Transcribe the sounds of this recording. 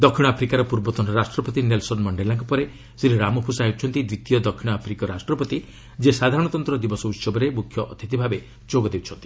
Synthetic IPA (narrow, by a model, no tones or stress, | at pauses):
d̪ɔkʰiɽ̃apʰɾikaɾɔpuɾbɔt̪ɔnɔɾasʈɾɔpɔt̪inelsɔnmɔɳɖelãŋkɔpɔɾe | siɾiɾamɔpʰusaiwt͡ʃʰɔnt̪id̪ɾit̪ijɔd̪ɔkʰːiɽ̃ɔapʰɾikɔɾasʈɾɔpɔt̪i | d͡ʒesad̪ʱaɾɔɽ̃ɔt̪ɔnt̪ɾɔd̪ibɔsɔut̪sɔbɔɾemukʰjɔʔɔt̪ʰit̪ibʱabe | d͡ʒoɡɔd̪ewt͡ʃʰɔnt̪i̥